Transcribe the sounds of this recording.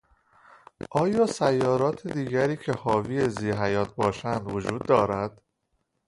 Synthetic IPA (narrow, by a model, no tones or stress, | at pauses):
ʔɒːjɒːsæjːɒːɾɒːt̪ʰed̪iːɟæɾiːcʰehɒːviːeziːɦæjɒːt̪̚ʰbɒːʃænd̪vod͡ʒuːd̪ːɒːɾæd̪̥